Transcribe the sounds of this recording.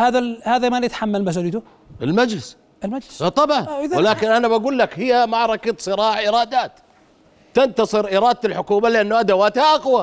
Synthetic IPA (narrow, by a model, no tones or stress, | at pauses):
haːðahaːðamanjɪt̪ħamːalmas̬uːlijt̪ʊ | ɪlmad͡ʒlɪs | ʔɪlmad͡ʒlɪst̪ˤːɑbʕwɪlaːkɪnʔanabaɡuːlːakhɪjːamaʕɾˤɑkat̪sˤɨɾˤɑːʕʔɪɾˤɑːd̪aːt̪ | t̪ɪnt̪ɑsˤɨɾʔɪɾˤɑːd̪̚t̪alħʊkuːmalɪʔanːuʔad̪awaːt̪haʔaqwa